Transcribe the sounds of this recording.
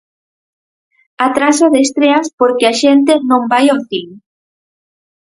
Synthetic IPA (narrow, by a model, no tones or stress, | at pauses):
at̪ɾasoðest̪ɾeaspoɾkɪaʃent̪̬ɪnõmbajoθiŋ